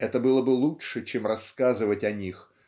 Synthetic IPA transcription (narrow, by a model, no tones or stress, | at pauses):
ɛt̪əbɨlˠəbɨlˠutʂɨt͡ɕemrɐskazɨvətʲɐnʲix